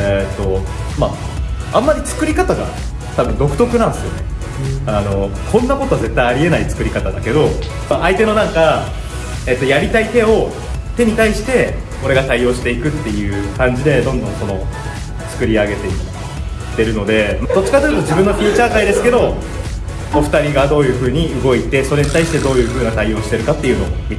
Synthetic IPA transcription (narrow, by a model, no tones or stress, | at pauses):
et̪ːo̞maãmːaɾʲit͡sɨ̥kɯ̟ɾʲikat̪aɡa̰ | t̪abɯ̟̃nd̪o̞kɯ̟̥t̪o̞kɯ̟nãnd̪esɨjone̞ | ano̞ | kʰõ̞nːakot̪o̞aze̞t̪ːaiaɾʲie̞nait͡sɨ̥kɯ̟ɾʲikat̪ad̪ake̞d̪o̞ | maʔait̪e̞no̞nãŋka | e̞ːt̪ːo̞jaɾʲit̪ait̪e̞o̞ | t̪e̞ɲ̟it̪aiɕi̥t̪e̞ | o̞ɾe̞ɡat̪aio̞ːɕi̥t̪e̞ikɯ̟t̪ːe̞jɯ̟ːkãɲ̟d͡ʑid̪e̞d̪õ̞nd̪õ̞ŋko̞no̞ | t͡sɨ̥kɯ̟ɾʲiaɡe̞t̪e̞i | t̪ːe̞ɾɯ̟no̞d̪e̞mad̪o̞t͡ɕi̥kat̪eɾɯ̟t̪o̞ʑibɯ̟̃nːopʲiːt͡ɕaːkaid̪e̞sɨ̥ke̞d̪o̞ | oɸɯ̟̥t̪aɾʲiɡad̪o̞ːjɯ̟ːɸɯ̟ːɲ̟iɯ̟ɡo̞it̪e̞so̞ɾe̞ɲ̟it̪aiɕi̥t̪e̞d̪o̞ːjɯ̟ːɸɯ̟ːnat̪aijo̞ːɕi̥t̪e̞ɾɯ̟kat̪ːe̞jɯ̟no̞mʲi